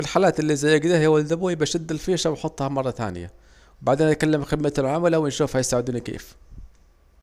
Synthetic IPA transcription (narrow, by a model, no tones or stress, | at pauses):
fɪlħaːlaːt̪ɪlːiʔzajːɪɡd̪ihwald̪abuːjɪbaʃad̪ːɪlfiːʃawjħʊt̪ˤːhɑmɑrˤːɑt̪a̰ːnɪ̰ja̰ | wbaʕd̪eːnʔat̪̚kalːɪmxɪd̪mat̪alʕamalawɪnʃuːfhajɪsaʕɪd̪uːnikḛːf